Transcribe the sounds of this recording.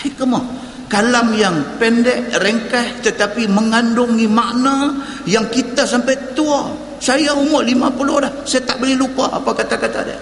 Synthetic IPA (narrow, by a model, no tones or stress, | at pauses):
hikəmɔ | kalamjaŋpɛndɛʔrəŋkaht̪ət̪apiməŋandʊŋimaʔna | jaŋkit̪asampajt̪ua | sajaumoʔlimapulolahsajat̪aʔbəlɪlupa̰a̰pakat̪akat̪a̰dɛ̰